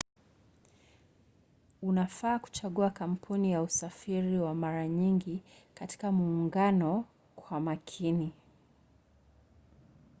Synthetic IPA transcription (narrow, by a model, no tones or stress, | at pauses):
unafaːku̥t͡ʃaɠuakam̩pʰunijausafiɾiwamaɾaɲiŋɡi | kati̥kamuːŋɡanɔ | kʰwamakʰini